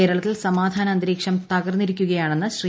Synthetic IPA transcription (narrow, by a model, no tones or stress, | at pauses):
e̞ːɾɐɭɐt̪ːilsɐmaːd̪ʱaːnɐɐnd̪ɾiːkʂɐmt̪ɐɣɐrnːiɾikʲːuɣɐjaːɳe̞nːɨɕri